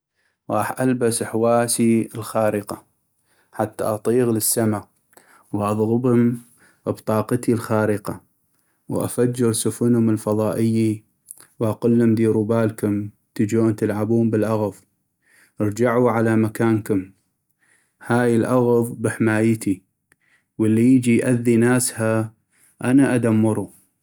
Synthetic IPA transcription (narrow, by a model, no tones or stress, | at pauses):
ɣˤɑːħʔalbasħwaːsiəlxaːɾəqa | ħat̪ːa̰ʔɑt̪ˤiːɣləsːama | wʔɑðˤɣʊbʊm | bt̪ˤɑːqt̪ilxaːɾəqa | wʔa̰fad͡ʒːɪɾsʊfʊnhʊməlfɑðˤɑːʔɪjːi | wʔaqʊlːʊmd̪iːɾubaːlkʊm | t̪əd͡ʒoːnt̪ɪlʕabuːmbəlʔaɣðˤ | ʔəɾˤd͡ʒaʕuʕalamakaːnkʊm | haːjəlʔaɣðˤbɪħmaːjt̪i | wəlːijəd͡ʒijʔaðːinaːsha | ʔanaʔad̪amːʊɾˤu